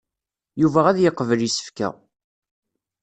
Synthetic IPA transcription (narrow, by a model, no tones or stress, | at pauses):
juvæʁæðjəqːəvəljisə̥fkæ̰